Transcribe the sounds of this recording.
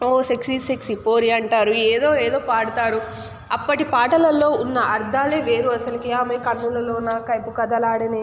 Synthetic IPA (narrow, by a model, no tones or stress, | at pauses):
oːseksiseksipoːɾiɐɳʈaːɾueːd̪o̞ːeːd̪o̞ːpaːɽut̪aːɾu | ɐpːɐʈipaːʈɐlɐlːo̞ːunːɐʔɐɾd̪ʱaːleːʋe̞ːɾuɐsɐlɐkiaːmɐːkɐnːulɐloːunːɐkɐjpukɐd̪ɐlaːɽɐni